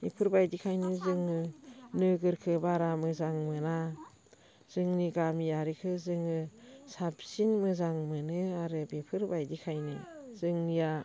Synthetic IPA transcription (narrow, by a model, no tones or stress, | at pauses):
ipʰɯɾbajdikʰajnizɯŋɯnɯɡɯɾkʰɯbaɾamɯzaŋmɯna | z̥ɯŋniɡamiaɾikʰɯzɯŋɯsapsinmɯzaŋmɯnɯaɾɯbipʰɯɾbajdikʰajnḭz̥ɯŋnija